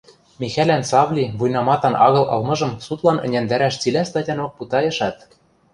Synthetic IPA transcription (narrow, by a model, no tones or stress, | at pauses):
mʲixælænsɑβlʲiβujnɑmɑt̪ɑnʔɑɣɤ̆lʔɤ̰̆lmɤ̆ʒɤ̆msut̪lɑnɘ̆nʲænd̪æɾæʃt͡silʲæst̪ɑtʲɑnok̚put̪ɑjɤ̆ʃɑt̪